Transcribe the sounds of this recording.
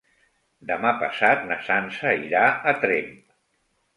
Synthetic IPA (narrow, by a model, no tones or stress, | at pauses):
d̪əmapə̰sat̪̚nəsansəiɾaət̪ɾem